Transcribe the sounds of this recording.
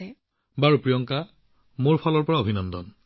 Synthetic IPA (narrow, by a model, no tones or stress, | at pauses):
baɹupɹijɔŋka | moɹpʰɔlɔɹpɔɹaobʱinɔndɔn